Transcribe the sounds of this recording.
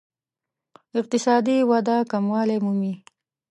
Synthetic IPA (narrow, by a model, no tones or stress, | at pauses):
ɪq̚t̪ɪsɑːd̪iwad̪ɑkamwɑːlemumi